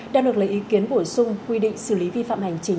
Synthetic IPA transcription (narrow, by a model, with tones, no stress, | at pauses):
ɗaː˧˩ɗɨ˨˩əklə˨˩ʔi˨˦ki˨˦ənɓo˧˩sʊ˧ŋ͡mkwi˧ɗḭ̈˧˨ŋ̟sɨ˧˩li˨˦vi˧fa̰ː˧˨mha˨˩jŋ̟t͡ɕï˨˦